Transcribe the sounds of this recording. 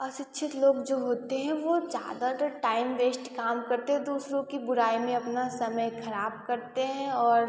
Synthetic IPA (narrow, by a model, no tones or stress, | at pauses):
ɐsɪtːʃʰɪt̪loːɡd͡ʒoːɦoːt̪eɦɛ̃ʋod͡ʒja̰ːd̪at̪əʈaːɪmʋeːsʈkaːmkɐɾt̪eɦɛ̃d̪uːsɾõkibʊɾaːimẽɐpnasɐməjkʰɐɾaːb̚kɐɾt̪eɦɛ̃ɔːɾ